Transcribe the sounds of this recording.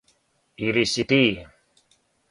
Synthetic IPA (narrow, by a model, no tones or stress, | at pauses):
iɾisit̪i